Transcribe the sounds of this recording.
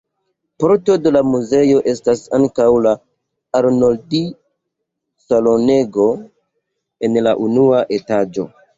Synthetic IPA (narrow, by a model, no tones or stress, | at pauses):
po̞ɾto̞de̞lamuze̞jo̞ʔe̞stasa̰ŋkawlaː | ɾnoldi | salo̞ne̞ɡo̞ | e̞nlaʔunuaʔe̞tad͡ʒo̞̰